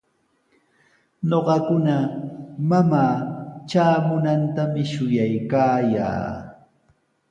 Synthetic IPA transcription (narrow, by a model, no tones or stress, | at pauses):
noɢɑkʊnamamaːt͡ʃaːmʊnant̪amɪʃʊjajkaːja̰ː